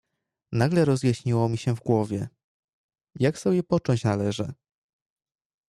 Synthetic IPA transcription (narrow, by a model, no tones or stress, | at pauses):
naɡlɛɾɔzjaɕɲiwɔmʲiɕɛvɡwɔvʲjɛ | jaksɔbʲjɛpɔt͡ʂɔɲt͡ɕnalɛʐɛ